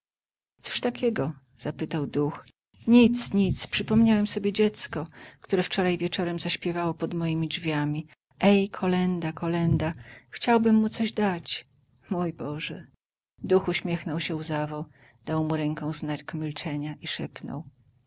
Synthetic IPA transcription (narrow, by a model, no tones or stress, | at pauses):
t̪sɔ̥ʂt̪akʲɛɡɔ | z̥apɘt̪awd̪ux | ɲit̪sɲit̪spʂɘpɔmɲawɛmsɔbʲjed͡ʑɛt̪skɔkt̪uɾɛft͡ʂɔɾajvʲjɛt͡ʂɔɾɛmzaɕpʲjɛvawɔpɔd̪mɔjimʲid͡ʐvʲjamʲi | ɛjkʰɔlɛnd̪akɔlɛnd̪axt͡ɕawbɘmːut̪sɔʑd̪at͡ɕ | mujbɔʐɛ | d̪uxuɕmʲjɛxnɔwɕɛuzavɔ | d̪̥awmuɾɛŋkɔ̃w̃znakmʲilt͡ʂɛɲaʔiʂɛpnɔ̰w